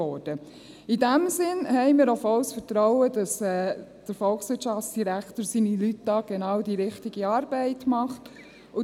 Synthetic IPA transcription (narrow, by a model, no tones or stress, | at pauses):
ɔːɾd̥ə | idæmsɪnhɛɪmɪːɾɔfɔʊsfəɾtɾɔʊədɑsɛːd̥əɾfɔlksʋɪtʃɑft͡sd̥iɾækʰtoːɾsinilytd̥ɑːɡ̥enɑːwdiɾɪχtɪɡiɑːɾbɛɪtmɑχt | ʊ